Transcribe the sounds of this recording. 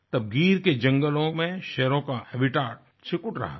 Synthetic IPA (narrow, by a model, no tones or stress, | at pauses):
t̪ɐb̚ɡiːɾked͡ʒɐ̃ŋɡəlõmẽʃɛɾõkaɛbɪʈaːʈ̚ | t͡ʃɪkʊʈɾɐ̰ɦa̰